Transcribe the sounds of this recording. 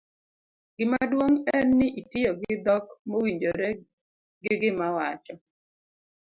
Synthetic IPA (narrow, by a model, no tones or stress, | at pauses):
ɡɪmadwoŋɛnːɪʔitɪjoɡɪd̪ɔkmowiɲd͡ʒoɾɛ | ɡɪɡɪmawat͡ʃɔ